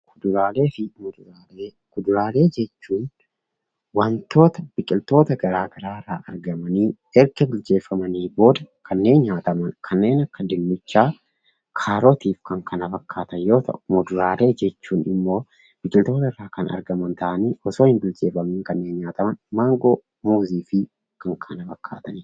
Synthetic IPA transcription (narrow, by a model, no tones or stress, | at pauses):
kʰʊd̪ʊɾaːle̞ːfɪmʊd̪ɾa | kʊd̪ʊɾaːle̞ːd͡ʒɛt͡ʃːuːn | wɐnt̪o̞ːt̪ɐb̥ɪkʼɪlt̪o̞ːt̪ɐɡɐɾaːɡɐɾaːɪrːaːʔɐɾɡɐmɐniː | ɛɾkɛbɪld͡ʒe̞ːfːɐmɐniːbo̞ːd̪ɐkʰɐnːe̞ːnɲaːt̪ɐmɐnkʰɐnːe̞ːnɐkːɐd̪ɪnːɪt͡ʃːaː | kʰaːɾoːt̪iːfkɐŋkʰɐnɐfɐkːaːt̪ɐnjo̞ːt̪ɐ̰ʔʊ̥mɔd̪ʊɾaːɾe̞ːd͡ʒɛt͡ʃːuːnɪmːo̞ː | b̥ɪkʼɪlt̪o̞ːt̪ɐɪrːaːkɐnɐ̰ɾɡɐmɐnt̪ɐʔɐniːʔɔso̞ːhɪnbɪld͡ʒe̞ːfɐmiːŋkɐnːe̞ːnɲaːt̪ɐmɐnmaːŋɡoː | muːziːfɪ | kɐŋkʰɐnɐfɐkʰːa̰ːt̪ɐnɪ